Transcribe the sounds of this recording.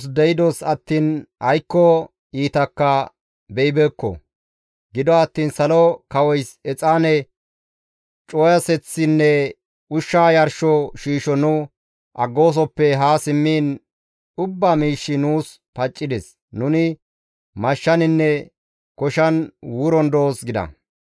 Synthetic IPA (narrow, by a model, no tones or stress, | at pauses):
sd̪ɛjɪd̪osɐt̪ːiːnhɐjkːɔ | iːt̪ɐkːɐ | bɛjɪbɛkːɔ̰ | ɡɪd̪ɔɐt̪ːiːnsɐlɔkɐwɔjsɛt͡sʼaːnɛ | t͡ʃʼoːjɐsɛt͡sːɪnːɛ | ʊʃːaːjɐɾʃɔʃiːʃɔnʊ | ʔɐɡːoːs̬ɔpːɛɦaːsɪmːiːn | ʊbːaːmiːʃːɪnuːs | pɐt͡ʃʼːɪd̪ɛs | nʊnɪ | mɐʃːɐnɪnːɛ | kɔʃɐnwʊɾɔnd̪o̞ːsɡɪd̪ɐ̰